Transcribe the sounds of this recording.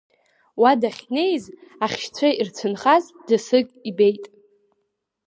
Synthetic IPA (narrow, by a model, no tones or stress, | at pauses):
wadaχʲne̞jzaχʲʃt͡sʷʰairt͡sʷʰɨnχazdɨsɨkʲʼibe̞jtʼ